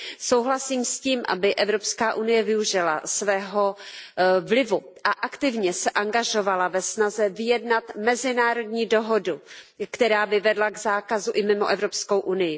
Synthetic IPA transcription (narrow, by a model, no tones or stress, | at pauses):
so̞wɦlasiːmsciːmʔa̰bɪʔɛvɾo̞pskaːʔunɪjɛvɪuʒɪla̰svɛːɦo̞ | vlɪvuʔaʔakt̪ɪvɲɛsɛʔaŋɡaʒo̞valavɛsnazɛvɪjɛdnat̪mɛzɪnaːɾo̞dɲiːdo̞ɦo̞du | kt̪ɛɾaːbɪvɛdlaɡzaːkazuʔɪmɪmo̰ʔɛvɾo̞psko̞wʔunɪjɪ